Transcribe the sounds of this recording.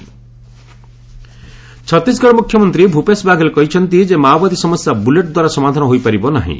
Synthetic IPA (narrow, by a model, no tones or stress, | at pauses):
t͡ʃʰɔt̪ːis̬ɡɔɽmukʰjɔmɔnt̪ɾibʱupesbaɡelkɔɦit͡ʃʰɔnt̪id͡ʒemawbad̪isɔmɔsjabuleʈd̪waɾasɔmad̪ʱanɔɦojpaɾibɔnaɦḭ̃